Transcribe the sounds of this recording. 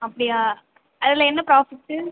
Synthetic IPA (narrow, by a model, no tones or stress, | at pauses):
ɐpːɐɽɪjaː | ɐðɪlɐɛnːɐpɾaːfɪʈːɯ